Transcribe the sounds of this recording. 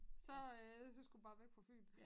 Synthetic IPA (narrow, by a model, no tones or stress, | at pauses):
sɒ̽synsɡ̥ub̥ɑ̈ːʋeɡ̥̚pʰɒ̽fy̰ːl